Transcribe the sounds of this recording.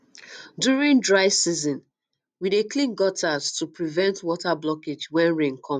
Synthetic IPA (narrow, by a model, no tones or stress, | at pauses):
djuɹĩŋdɹaɪsizɔ̃n | wideklĩnɡɔtʰaztupɹivɛ̃ntwɔtablɔked͡ʒwɛ̃nɹẽŋkʰɔ̃m